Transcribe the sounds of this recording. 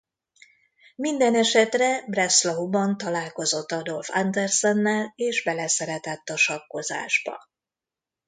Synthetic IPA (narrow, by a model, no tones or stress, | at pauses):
mind̪ɛnɛʃɛt̪rɛbrɛslɒubɒnt̪ɒlaːlko̞zo̞t̪ːɒd̪o̞lfand̪ɛrsɛnːɛleːʒbɛlɛsɛɾɛt̪ɛt̪ːɒʃɒkːo̞za̰ːʒbɒ̰